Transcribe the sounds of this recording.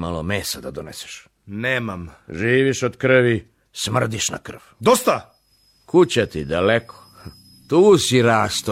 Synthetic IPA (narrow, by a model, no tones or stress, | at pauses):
malomeːsad̪ad̪onese̥ʃ | neːmamʒiːʋiʃod̪kr̩ʋi | smr̩d̪iʃna̰kr̩ʋd̪ost̪a | kut͡ɕat̪id̪alekʰo̥ | t̪uːsiɾaːst̪